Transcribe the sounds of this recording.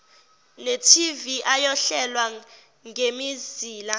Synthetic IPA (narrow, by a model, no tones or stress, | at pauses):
netʰiviʔajɔɬɛlwa | ŋʱemiziːla